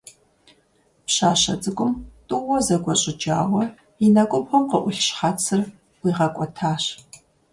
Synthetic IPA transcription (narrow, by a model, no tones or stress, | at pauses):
pɕaːɕɐ̰t͡sʼɨɡʷʼʊmtʼɨːɔzɐɡʷɔɕʼɪd͡ʒaːwɐ | inɐkʷʼʊbʊmqəʔʷʊɬʃχat͡sʰɨr | wʷiːʁɐkʷʼɔtʰaːɕ